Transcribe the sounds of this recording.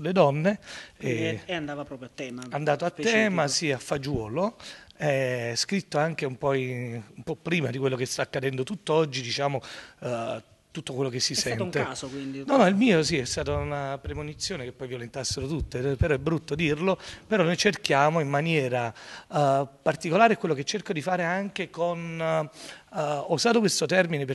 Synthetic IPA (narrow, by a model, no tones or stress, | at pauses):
ulːed̪ɔnːeɛand̪aːvapɾɔpɾjat̪ːɛːmaand̪aːt̪oat̪ːɛːmasiafːad͡ʒwɔːloɛskɾit̪ːoaŋk̟eumpɔjumpɔpːɾiːmad̪ikwelːokest̪aːkːad̪ɛnd̪ot̪ut̪ːoɔd͡ʒːid̪it͡ʃaːmo | t̪ut̪ːokwelːokesːissɛnŋt̪eaːsokwind̪inɔnːɔilmiːosiɛst̪aːt̪ounapɾemonit̪sːjoːnekepːɔjvjolent̪asːeɾot̪ut̪ːepeɾɔɛbːɾut̪ːod̪irlopeɾɔnojt͡ʃerk̟jaːmoimːanjɛːɾa | part̪ikolaːɾeɛkːwelːoket͡ʃːerkod̪ifaːɾeaŋk̟ekon | uzaːt̪okwest̪ot̪ɛrminepe